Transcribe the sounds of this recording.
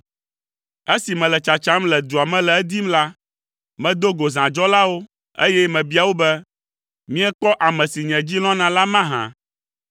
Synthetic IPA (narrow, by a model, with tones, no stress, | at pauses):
e˦si˨mɛ̃˨lɛ˨t͡ʃa˨t͡ʃa˦mlɛ˨d̪u˨a˨mɛ̃˦lɛ˨ɛ˦d̪i˦mla˦ | mɛ̃˦d̪o˦ɡo˨zã˨d͡ʒɔ˦la˦wo˦ | ḛ˦jɛ˦mɛ̃˨bi˦a˨wo˦bɛ˦ | mĩ˦ɛ˦k͡pɔ˦ʔa˨mɛ̃˨si˨ɲɛ̃˨d͡ʑi˦l̃ɔ̃˦nã˨la˦mã˦ɦã̰˨